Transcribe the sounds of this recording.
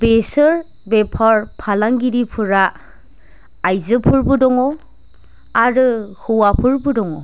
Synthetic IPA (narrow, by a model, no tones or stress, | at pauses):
besɯɾ | bepʰaɾpʰalaŋɡiɾipʰɯɾa | jzɯpʰɯɾbɯdɔŋɔ | aɾɯhɯwapʰɯɾbɯdɔŋɔ